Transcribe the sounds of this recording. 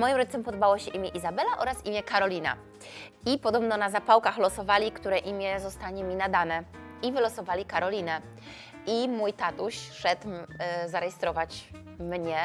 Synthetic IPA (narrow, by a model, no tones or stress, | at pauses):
mɔjimɾɔdd͡ʑit̪ɔmpɔd̪ɔbawɔɕɛʔimʲjɛʔizabɛlaʔɔɾasimʲjɛkaɾɔlʲina̰ | ipɔd̪ɔbnɔnazapawkaxlɔsɔvalʲikt̪uɾɛʔimʲjɛzɔst̪aɲɛmʲinad̪anɛivɘlɔsɔvalʲikaɾɔlʲinɛ | imujt̪at̪uɕʂɛt̪zaɾɛjɛst̪ɾɔvat͡ɕ | mɲɛ